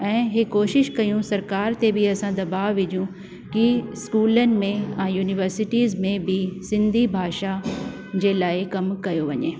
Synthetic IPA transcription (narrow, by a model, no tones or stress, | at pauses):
ɛ̃ːɦɪkoːʃɪʃkɐjũsɐɾkaːɾt̪ebʱɪɐsãd̪ɐbaːʋʋɪd͡ʑijũ | kiskuːlənɪ̆mẽãːjuːnɪʋəɾsɪʈiːzmẽbʱɪsɪ̃nd̪ʱibʱaːʃa | d͡ʑeːlaːɪkɐmkɐjoʋɐɲeː